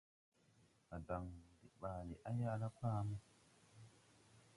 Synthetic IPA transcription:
a˨da˨ŋdi˨ɓaː˨li˨ʔa˦ja˦˨la˦pɾa˦mu˦

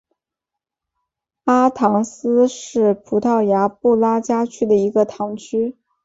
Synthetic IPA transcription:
a˥t̪ʰɑ˧˥ŋsɹ̩˥ʂɻ̩˥˩pʰu˧˥t̪ʰɑ˥˩ʊja˧˥pu˥˩la˥t͡ɕja˥t͡ɕʰy˥d̪ə˨i˧˥ɡə˧t̪ʰɑ˧˥ŋt͡ɕʰy˥

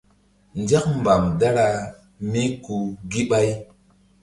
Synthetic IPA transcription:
nd͡ʒa˦k̚m˨ba˨mda˦ɾa˨ | mi˦ku˨ɡi˦ɓa˦j

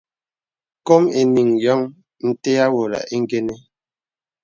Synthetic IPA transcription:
ko˦me˨ni˨ŋjɔ˦ŋ | n̩˦te˦a˦wo˨la̰˨ʔe˦ŋ˦ɡe˦ne˦

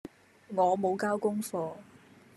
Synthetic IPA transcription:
ŋɔː˨˧mo˨˧wkaː˥wkʊ˥ŋfɔː˧

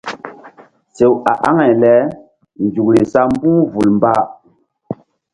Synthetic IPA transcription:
se˨wa˨ʔa˦ŋa˨jlɛ˨˦ | nd͡ʒu˨kli˨sa˦m˦bu˦vu˨lmba˦

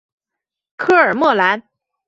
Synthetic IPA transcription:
kʰɤ˥˩ə˞˨˩mwɤ˥˩la˧˥n

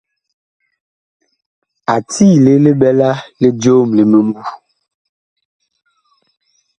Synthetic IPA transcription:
a˨tiː˦le˦le˦bɛ˦la˦le˦do˦˨mle˨me˨mu˦

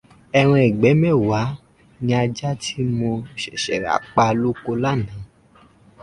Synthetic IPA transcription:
ɛ˧w̃ɔ̃˧ɛ˨ɡ͡bɛ˨˦mɛ̃˦˨wa˨˦ | nĩ˧a˧d͡ʒa˦tʰi˦mo˧ʃɛ˨ʃɛ˨ɾa̰˨k͡pa˧lu˦ko˧la˦˨nã˨˦

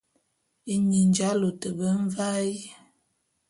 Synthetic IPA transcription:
i˨ɲi˨nd͡ʒa˦lo˨tə˨bə˦ɱ˦va˦i˦

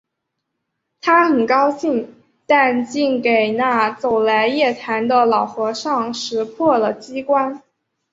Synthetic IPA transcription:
t̪ʰa˥xə˨˩nkɑ˥ʊɕi˥˩ŋ | t̪a˥˧nt͡ɕi˥˩ŋke˨˩ɪna˥˩t͡so˨˩ʊla˧˥ɪjɛ˥˩t̪ʰa˧˥nd̪ə˧lɑ˨˩ʊxwɔ˧˥ʂɑ˥˩ŋʂɻ̩˧˥pʰwɔ˥˩lə˩t͡ɕi˥kwa˥n

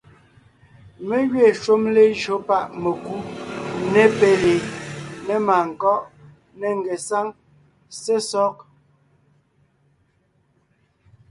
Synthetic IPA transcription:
me˦ɣɥe˦˨ʃwo˦mle˦d͡ʒo˨˦pa˦ʔme˨ku˦nɛ˦pe˦le˨ne˦maː˨ŋ̩˨kɔ˦ʔ | ne˨ŋ˨ɡe˨sa˦ŋ | se˦sɔ˦k̚

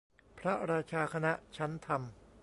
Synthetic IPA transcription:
pʰɾa˦˥ɾaː˧t͡ɕʰaː˧kʰa˧na˦˥ʔt͡ɕʰa˦˥nt̪ʰa˧m

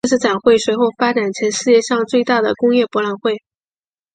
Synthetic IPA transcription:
ʂɻ̩˥˩ʈ͡ʂa˨˩nxwe˥˩ɪʂwe˧˥ɪxo˥˩ʊfa˥ʈ͡ʂa˨˩nt͡ɕʰjɛ˧˥nʂɻ̩˥˧t͡ɕjɛ˥˧ʂɑ˥˧ŋt͡swe˥˧ɪt̪a˥˩d̪ə˩kʊ˥ŋjɛ˥˩pwɔ˧˥la˨˩nxwe˥˩ɪ

